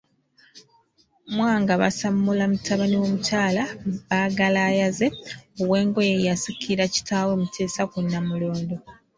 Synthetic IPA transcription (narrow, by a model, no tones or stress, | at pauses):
mwaːŋɡaβa̰samːulamutʰaβaniwo̞mucaːlaβaːɡalaːjaze̞oβwe̞ːŋɡo̞jejasikʰiɾaci̥taːwe̞mutʰe̞ːsakunːamulo̞ːndo